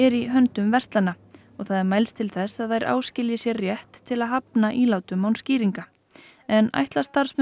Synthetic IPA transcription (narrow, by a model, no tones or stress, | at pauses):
ɛɾiɦœnt̪ʏmvɛr̥t̪lanːa | ɔɣθaðɛɾmaːjlst̪ʰɪlθɛsaðθajɾʔa̰ːwscɪljɪsjɛɾrjɛht̪ʰːɪlaðɦapnaʔilaːwt̪ʏmːaːwnsciːɾiŋka | ɛna̰jht̪last̪aɾ̥sm